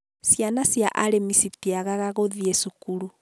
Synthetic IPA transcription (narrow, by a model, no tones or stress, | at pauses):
sjanasjaʔaɾemisitiaɣaɣaɣoðiesukuɾu